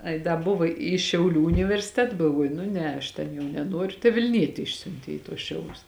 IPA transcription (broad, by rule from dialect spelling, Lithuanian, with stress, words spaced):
ˈɐɪ dɐ ˈbʊʋoː iː ʃʲɛʊˈlʲuː ʊnʲɪʋʲɛrʲsʲɪˈtʲɛt ɡɐlˠˈʋuɔjʊ nʊ ˈnʲɛ ɐʃ ˈtʲɛn jɛʊ nʲɛˈnuɔrʲʊ tɐɪ ʋʲɪlʲˈnʲiɛtʲɪ ˈɪʃʲsʲʊnʲtʲeː iː tuɔs ˈʃʲɛʊlʲʊs